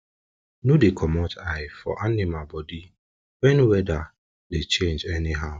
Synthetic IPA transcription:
nudekʰɔmɔtʰaɪfɔ̰ʔanɪmabɔdi | wɛnwɛda | det͡ʃẽnd͡ʒɛnɪɦaʊ

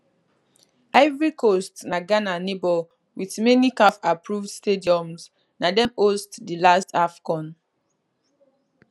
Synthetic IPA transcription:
aɪvɹikostnaɡananebɔl | wiθmɛnikafapɹuvdstediɔ̃ms | nadɛ̃mostdilastʰafkɔ̃n

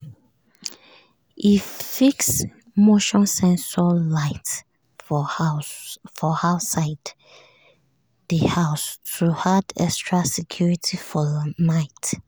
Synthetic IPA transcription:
ʔifiks | moʃɔ̃nsɛ̃nsalaɪt | fɔhaʊsaɪd | ðəhaʊstʰuhadɛ̰kstɹasɛkʰjuɹitʰifɔnaɪt

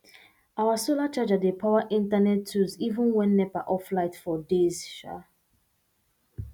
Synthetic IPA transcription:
awasolat͡ʃad͡ʒadepʰaʊaʔĩntanɛtʰːuzivə̃nwɛ̃nːɛpaʔɔflaɪtfɔdez̥ʃa̰

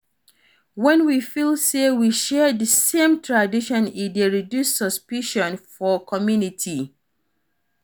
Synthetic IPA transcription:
wɛ̃nwifilˠsewiʃɛðəsẽmtʰɹadiʃɔ̃nideɹidjusːɔspiʃɔ̃nfɔkʰɔmjunitʰi

